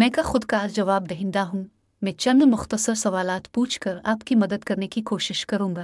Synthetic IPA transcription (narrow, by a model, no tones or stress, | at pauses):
mɛ̃ːkaxʊd̪kaːzd͡ʒɐʋaːb̚d̪ɐɦɪ̃nd̪aɦũː | mɛ̃ːt͡ʃɐ̃nd̪mʊxt̪əsəɾsɐʋaːlaːt̪puːt͡ʃʰkɐɾa̰ːpkimɐd̪əd̪kɐɾnekikoːʃɪʃkɐɾũːɡaː